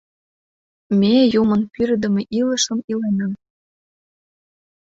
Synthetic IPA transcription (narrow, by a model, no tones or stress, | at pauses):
mejumənpyɾd̪ə̆mĕʔilə̆ʃə̆milenəm